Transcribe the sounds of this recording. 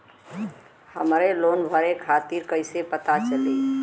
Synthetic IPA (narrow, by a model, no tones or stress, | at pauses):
həmɾelonbʱəɾekʰat̪iɾkəɪsepət̪at͡ʃəli